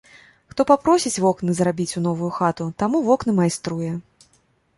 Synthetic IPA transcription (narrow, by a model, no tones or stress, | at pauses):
xt̪ɔpapɾɔsʲit͡sʲvɔknɨzrabʲit͡sʲunɔvujuxat̪ut̪amuvɔknɨmajst̪ɾujɛ